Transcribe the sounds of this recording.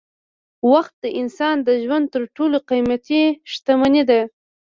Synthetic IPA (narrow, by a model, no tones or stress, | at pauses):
waxt̪̚d̪əʔɪnsɑnd̪əʒwand̪̚t̪əɾʈoloqijmat̪iʃt̪amanid̪a